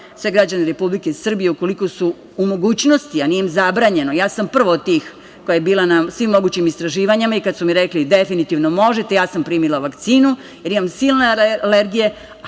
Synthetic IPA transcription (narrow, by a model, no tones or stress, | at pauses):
sʋe̞ɡɾad͡ʑaneɾe̞publikesr̩bije̞uko̞liko̞suː | mo̞ɡuːt͡ɕno̞st̪ianijemzabɾaːɲe̞no̞jaːsampr̩ʋod̪̚t̪iːx | kojajebiːlˠanasʋimːo̞ɡuːt͡ɕimist̪ɾaʒiːʋaɲimaikad̪sumiɾeklid̪e̞finit̪iʋno̞mo̞ʒet̪e̞jaːsampɾiːmilˠaʋakt̪siːnu | jeɾimamsiːlneleɾɡije